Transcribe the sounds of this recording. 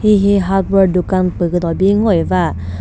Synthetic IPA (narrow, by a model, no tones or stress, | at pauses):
hiɦiɦat̚wədukanpəkɯt̪ɔbiŋɔjva